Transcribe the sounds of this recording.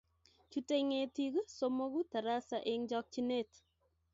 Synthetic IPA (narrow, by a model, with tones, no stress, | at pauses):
t͡ʃu˦te˦ŋeti˦ku˦somo˦ku˦ta˨ɾa˦saʔeŋd͡ʒɔk̚t͡ʃi˦ne˦t